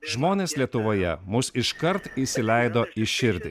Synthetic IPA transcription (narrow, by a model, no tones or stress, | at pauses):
ʒmoːnʲeːslʲiɛt̪ʊʋoːjɛ̰mʊsɪʃkɐɾt̪iˑsʲɪlʲæˑɪd̪oːɪʃʲɪɾʲd̪ʲɪ